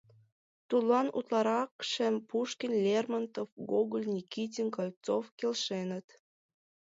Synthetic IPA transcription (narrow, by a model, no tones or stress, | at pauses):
t̪ulˠɑnṵt̪lˠɑɾɑkʃə̆mpuʃkʲinlʲermɑnt̪ofɡoɡolʲnʲikʲit̬ʲinkɑlʲt͡sofkʲelʲʃenə̆t̪